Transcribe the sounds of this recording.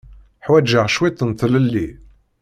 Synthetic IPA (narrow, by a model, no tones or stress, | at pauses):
ħwæd͡ʒəʁʃwit̪ˤːənt̪ləlːi